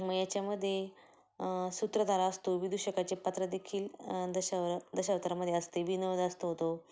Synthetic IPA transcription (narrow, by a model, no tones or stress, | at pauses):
məɡjat͡ɕjaməd̪ʱːje | sut̪ɾəd̪aɾaəst̪oʋid̪ʱuɕəkat͡ɕepat̪ɾəd̪ekʰiːld̪əɕaʋɾd̪əɕaʋt̪əɾaməd̪ʱjeəst̪eʋiːnəʋəd̪əst̪oɦot̪o